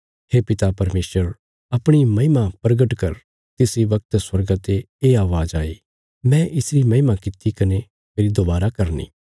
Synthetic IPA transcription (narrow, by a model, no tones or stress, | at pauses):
heːpɪt̪apɐɾmeːsəɾ | ɐpɽ̃imɐ̃ɦɪmapɾɐɡəʈkɐɾ | t̪ɪsiʋɐk̚t̪swɐɾɡat̪e | eːaːʋaːd͡ʒaːi | mɛ̃ʔɪsɾimɐ̃ɦɪmakɪt̪ikɐne | meːɾid̪obaːɾakɐɾnḭː